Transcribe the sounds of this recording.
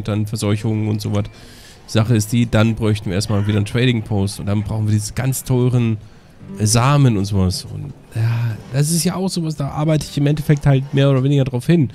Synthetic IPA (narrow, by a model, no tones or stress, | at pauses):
əd̥anfɛɐzɔʏçʊŋʊntz̥oːvat | z̥aχəɪstd̥iːd̥anbʁɔʏçtn̩viːʔeɐstmaːlviːɾɐntʁ̥ɛːɾɪŋpʰoːstʊntd̥anbʁaʊxn̩viːdiːzəɡ̥ant͡stʰɔʏʁən | zaːmənʊntz̥oːvasʊ̰nt | jaːd̥as̬ɪstjaːaʊxz̥oːvasd̥aːʔa̰ɐbaɪtəɪçɪmʔɛntɛfɛk̚thaltmeːɐoːdɐveːnɪɡɐdʁaʊfhɪn